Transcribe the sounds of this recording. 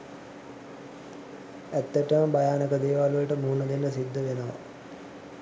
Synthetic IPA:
æt̪ːəʈəməbajaːnəkəd̪eːʋaːlʋəlʈəmuːnəd̪enːəsid̪ʱːəʋenəʋa̰

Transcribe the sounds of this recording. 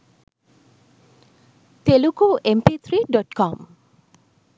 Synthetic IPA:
t̪elukuempit̪ʰɾiɖɔʈkɔm

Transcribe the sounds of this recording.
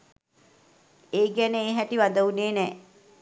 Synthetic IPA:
eːɡænəeːɦæʈiʋad̪əuneːnɛː

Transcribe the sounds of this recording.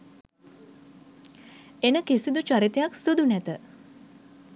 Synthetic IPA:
enəkisid̪ut͡ʃaɾit̪ejaksud̪unɛt̪ə

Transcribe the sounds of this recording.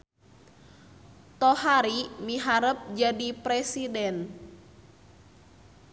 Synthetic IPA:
t̪ɔhaɾimiɦaɾəp̚d͡ʒadipɾɛsidɛn

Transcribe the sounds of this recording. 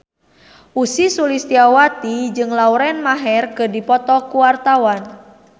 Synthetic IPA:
ʔusisulist̪iawat̪id͡ʒɨŋlauɾɛnmaɦɛrkɨdipɔt̪ɔkuwart̪awan

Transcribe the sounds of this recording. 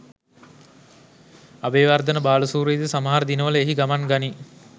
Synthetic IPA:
abeːʋard̪ənəbaːləsuːɾeːd̪əsaməɦaɾəd̪inəʋələeɦiɡamanɡani

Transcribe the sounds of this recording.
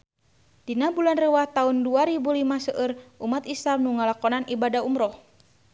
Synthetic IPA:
d̥inabulanrəwaht̪aunduaɾibulimasəʔərʔumat̪islamnuŋalakɔnanʔibadaumɾɔh

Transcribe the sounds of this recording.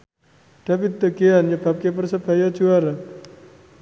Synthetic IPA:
d̥abɪt̪̚d̪əɡeanɲəbap̚kep̬ərsəb̥a̤jad͡ʒuaɾa

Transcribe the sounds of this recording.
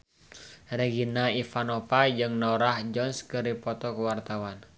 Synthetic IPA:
reɡinaifanɔpad͡ʒɨŋnɔɾahd͡ʒɔnskɨɾipɔt̪ɔkəwart̪awan

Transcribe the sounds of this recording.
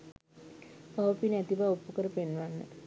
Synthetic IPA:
paʋpinɛt̪iʋaopːəkəɾəpenʋanːə̰

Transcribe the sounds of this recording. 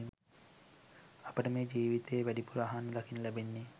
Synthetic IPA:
ɐpɐʈɐmeːd͡ʒiːʋit̪eːʋæɖipuɾaːɦanːɐd̪ɐkʰinɐlɛbenːi

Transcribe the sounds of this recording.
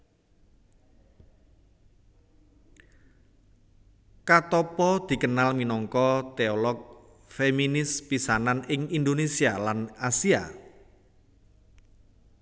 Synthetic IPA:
kat̪ɔpɔd̪̥i̤kənalminɔŋkɔt̪eɔlɔk̚ | feminɪspisananɪŋind̪onesialanasia̰

